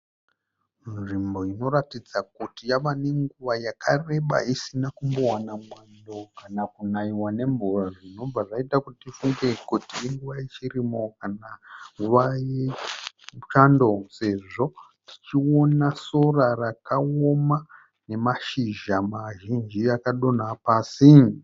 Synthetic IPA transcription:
ʐimbo̞ino̞ratid͡zak̚utijaʋane̞ŋɡuʋajakʰare̞ɓa̰isinakumbo̞wanamwando̞kanakunaiwane̞mburaʐino̞b͡vaʐaitakutitifuŋɡe̞kutieŋɡuʋajet͡ʃirimo̞kanaŋɡuʋaje | t͡ʃando̞se̞ʐo̞ | ti̥t͡ʃio̞naso̞rarakaoma | ne̞maʃiʒamaʒind͡ʒiakaɗo̞napaːsi

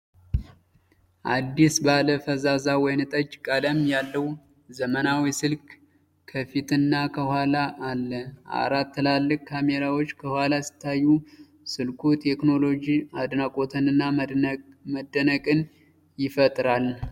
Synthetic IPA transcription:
ʔad̪ːisbaləfəzazawɔjnɨt̪ʼət͡ʃʼːkʼələmjalːəw | zəmənawisɨlk | kʰəfit̪ʰɨnːakʰəhʷalaʔːlːəʔa̰ɾat̪ʰːɨlalːɨk̚ʼkʰːame̞ɾawo̞t͡ʃːkʰəhʷwalasɨ̥t̪ʰːajːu | sɨlkʰut̪ʰe̞kno̞lo̞d͡ʒiad̪nakʼo̞t̪ʰənɨnːa | məd̪ːənəkʼɨn | jɪfət̪ʼɾal

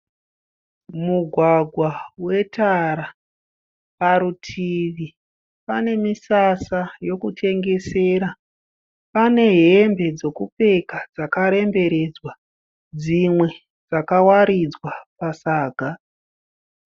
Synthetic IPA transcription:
muɡʱwaɡʱwawe̞taɾa | paɾutʰiʋi | pane̞misasajo̞kut͡ʃe̞ŋɡe̞se̞ːɾa | pane̞ɦe̞mbe̞d͡zo̞kupe̞kad͡zakaɾe̞mbe̞ɾe̞d͡zwa | d͡zimwe̞ | d͡zakawaɾid͡zwapasaːɡʱa

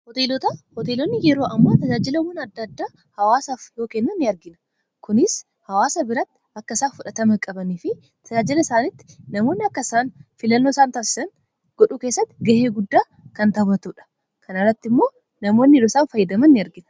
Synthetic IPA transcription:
hɔt̪eːlɔt̪ɐhɔt̪eːlɔnːɪjɛɾo̞ːʔɐmːaːt̪ɐd͡ʒaːd͡ʒɪlɐwɐnɐd̪ːɐd̪ːaː | hɐwaːsaːfjo̞ːkenːɐnːɪɐɾɡɪnɐ̥ | kʊnɪs | hɐwaːsɐbɪɾɐt̪ːɪ̥ɐkːɐɪsaːfʊᶑɐt̪ɐmɐkʼɐbɐniːfɪ | t̪ʰɐd͡ʒaːd͡ʒɪlɐɪsaːnɪt̪ːɪ̥nɐmo̞ːnːɪɐkːɐsaːnfɪlɐnːoɪsaːnt̪aːsɪ̥sɐn | ɡ̥ɔᶑuːke̞ːsːɐt̪ːɪɡɐheːɡʊd̪ːaː | kɐnt̪ɐbɐt̪uːᶑɐ̥ | kɐnɐrːɐt̪ːɪmːo̞ː | nɐmo̞ːnːɪɾɔsaːnfɐjːɪd̪ɐmɐnːɪɐɾɡɪnɐ

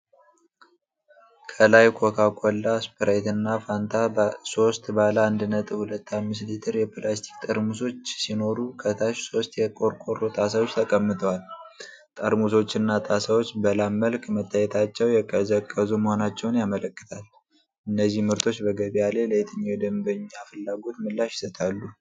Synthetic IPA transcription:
kʰəlajkʷʰokʰakʷʼɔlːaspʰɨɾajt̪ɨnːafant̪ʰaso̞st̪baləand̪ɨnət̪ʼɨhulət̪ːamːɨs̬lit̪ʰɨɾjɛplast̪ʰi̥kt̪ʼəɾmuso̞t͡ʃːsino̞ɾukʰət̪ʰaʃso̞st̪jɛkʼo̞ɾkʼo̞rot̪ʼasawo̞t͡ʃːt̪ʰəkʼəmːɨt̪ʰəwal | t̪ʼəɾmuso̞t͡ʃːɨnːat̪ʼasawo̞t͡ʃːbəlamːəlkmət̪ʰːajɛt̪ʰat͡ʃːɛwjɛkʼəzəkʼːəzuməho̞nat͡ʃːɛwnjamələkːɨ̥t̪ʰal | ʔɨnːəzːihmɨɾt̪ʰo̞t͡ʃːbəɡəβialeləjt̪ʰɨɲːawd̪əmbəɲːafɨlːaɡo̞t̪mɨlːaʃjɪ̥sət̪ʰalːu

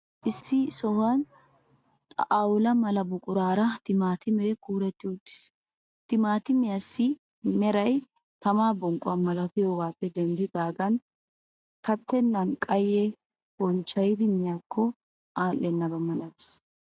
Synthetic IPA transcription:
ʔɪsːɪsɔhɐnʼ | ʔawʊlɐmɐlɐbʊkʼʊɾaːɾɐt̪ɪmaːt̪ɪmekuːɾɛt̪ːɪʊd̪ːɪ̥s | t̪ɪmaːt̪ɪmɪjɐsːɪ | mɛɾɐj | t̪ɐmaːbɔŋkʼʊwɐnmɐlɐfɪjoːɡaːpːɛd̪ɛnd̪ɪd̪aːɡɐn | kɐt̪ːɛnːɐnkʼɐjɛ | bɔnt͡ʃːɐjɪd̪ɪnɪjaːkːɔ | ʔaːlːɛnːɐbɐmɐlɐd̪ɪs

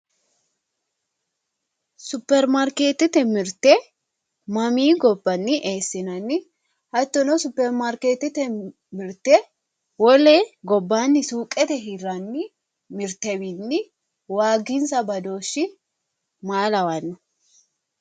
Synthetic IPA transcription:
sʊpːɛɾmaɾkeːt̪ːɪt̪ɛmɪɾt̪ɛ | mɐmiːɡɔbːɐnːɪʔeːsːɪnɐnːɪ | hɐt̪ːɔnɔsʊpːɛɾmaɾkeːt̪ːɪt̪ɛ | mɪɾt̪ɛ | wɔleːɡɔbːaːnːɪsuːkʼɛt̪ɛɦɪrɐnːɪ | mɪɾt̪ɛbinːɪ | waːɡɪnsɐbɐd̪o̞ːʃːɪ | maːlɐwɐnːʊ̥

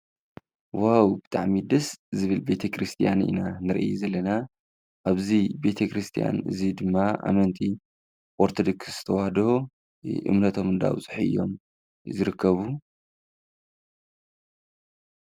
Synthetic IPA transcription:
wawbɨt̪ʼaʕmid̪ɐszɨβɨlbe̞t̪ʰekʰɾɨst̪ʰijanḭnanɨɾʔjuzɐlːɐna | ʔaβzibe̞t̪ʰekʰɾɨst̪ʰija̰nɨ̰zid̪ɨmːaʔa̰mɐnt̪ʼi | ʔʼoɾt̪ʰod̪oksz̥ɨ̥t̪ʰɐwahd̪o | ʔɨ̰mnɐt̪ʰo̞mɨnd̪a̰bɨz̥ħiʔɨ̰jo̞̰m | zɨɾɨkʰːɐβu

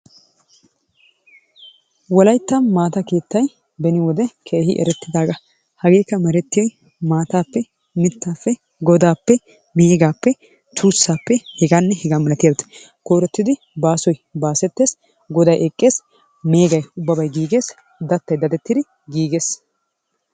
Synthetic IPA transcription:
wɔlɐjt̪ːɐnmaːt̪ɐke̞ːt̪ːɐj | bɛnɪwɔd̪ɛkʰeːhɪ̰ʔɛ̰ɾɛt̪ːɪd̪aːɡɐ | hɐɡe̞ːkːɐmɛɾɛt̪ːɪjɔj | maːt̪aːpːɛ | nɪt̪ːaːfːɛ | ɡɔd̪aːpːɛ | meːɡaːpːɛ | t̪uːsːaːpːɛhɛɡaːnːɛhɛɡaːmɐlɐt̪ɪjabt̪ɐ̥ | koːɾɛt̪ːɪd̪ɪ | baːsɔjbaːsɛt̪ːe̞ːs | ɡɔd̪ɐjʔɛkʼːe̞ːs | me̞ːɡɐjʊbːɐbɐjɡiːɡe̞ːs | d̪ɐt̪ːɐjd̪ɐd̪ɛt̪ːɪd̪ɪ | ɡiːɡeːs

